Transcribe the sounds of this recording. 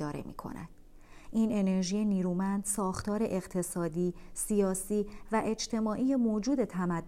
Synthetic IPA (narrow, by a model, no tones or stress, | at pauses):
ɒːɾḛmḭːkʰo̰nʔæ̰d̪̥ | ʔiːne̞ne̞ɾʒiːje̞niːɾuːmænd̪̥sɒːxt̪ʰɒːɾe̞ʔeɣt̪ʰe̞sɒːd̪iːsijɒːsiːvæʔe̞d͡ʒt̪ʰe̞mɒːʔiːjemoːd͡ʒuːd̪e̞t̪ʰæmæd̪ː